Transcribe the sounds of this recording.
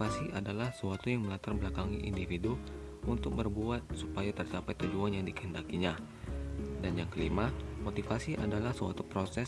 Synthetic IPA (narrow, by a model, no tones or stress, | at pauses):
asiʔadalahsəwat̪ujaŋməlat̪arbəlakaŋiʔindifidu | unt̪ʊk̚bərbuat̪̚supajat̪ərt͡ʃapat̪kud͡ʒuanjaŋdikəhəndakiɲa | danjaŋkəlimamot̪ifasiʔadalahsəwa̰t̪upɾosɛ